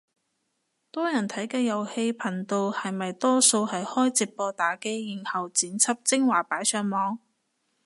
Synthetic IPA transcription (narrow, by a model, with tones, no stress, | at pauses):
t̪ɔː˥jɐ˨˩nt̪ʰɐ˨˥jkɛː˧jɐ˨˩whe˧jpʰɐ˨˩nt̪o˧whɐ˨jmɐ˨jt̪ɔː˥so˧whɐ˨jhɔː˥jt͡siː˨p̚pɔː˧t̪aː˨˥ke˥jji˨˩ŋhɐ˨wt͡siː˨˥nt͡sʰɐ˥p̚t͡sɪ˥ŋwaː˨˩paː˨˥jsœː˧ŋmɔː˨˧˥ŋ